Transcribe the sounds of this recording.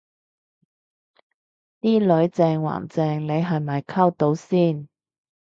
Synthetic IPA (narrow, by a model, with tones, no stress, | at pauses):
t̪iː˥lɵ˨˥ɥt͡sɛː˧ŋwa̰ː˨˩nt͡sɛː˧ŋle˨˧jɦɐ˨jmɐ˨˩jkʰɐ˥wt̪o˨˧wsiː˥˩n